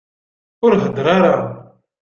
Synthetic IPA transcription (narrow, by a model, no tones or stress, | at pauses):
ʊɾɦəd̪ɾˤaɾa